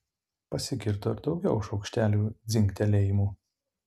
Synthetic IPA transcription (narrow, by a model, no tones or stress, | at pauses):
pɐsʲɪɡʲɪɾt̪oɪɾd̪ɒʊɡʲɛʊɪʃɒʊkʃʲt̪ʲæːlʲuːd̪zʲɪŋʲkt̪ʲɛlʲɛːjɪmuː